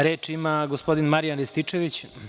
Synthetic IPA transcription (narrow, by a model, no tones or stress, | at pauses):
ɾe̞ːt͡ʂimaɡospo̞d̪inmaɾijanlist̪it͡ʂeʋit͡ɕ